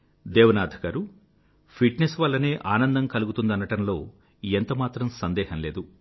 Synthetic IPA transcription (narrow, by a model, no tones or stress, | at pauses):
d̪eːʋɐnaːd̪ʱɐkaːɾu | pʰiʈnesʋalːɐne̞ːʔaːnɐnd̪ɐmkɐluɡut̪und̪ɐnɐʈɐmlo̞ː | ent̪ɐmaːt̪ɾɐmsɐnd̪ɛːhɐnleːd̪u